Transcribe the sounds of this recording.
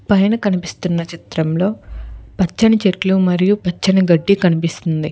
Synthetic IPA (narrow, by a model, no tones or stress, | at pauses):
pɐjnɐkɐnipist̪unːɐt͡ʃit̪ɾɐmlo̞ːpɐt͡ʃːɐnɐt͡ʃeʈlumɐɾijupɐt͡ʃːɐnɐɡɐɖːikɐnipist̪und̪i